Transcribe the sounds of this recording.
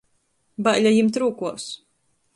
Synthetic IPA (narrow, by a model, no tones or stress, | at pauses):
baʔlʲajimt̪ɾuːkuɔs